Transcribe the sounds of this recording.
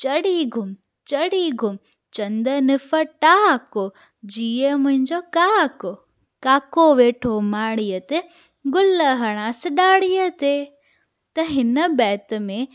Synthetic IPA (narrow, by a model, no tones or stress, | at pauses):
t͡ɕɐɽiɡʱʊm | t͡ɕɐɽiɡʱʊm | t͡ɕɐ̃nd̪ənɪfəʈaːko | d͡ʑiːəmʊ̃ɦɪ̃ɲd͡ʑokaːko | kaːkoʋeːʈʰomaːɽ̃iət̪e | ɡʊləɦɐɽ̃aːsɪɗaːɽijət̪e | t̪ɐɦɪnəbɛːt̪ə̆mẽ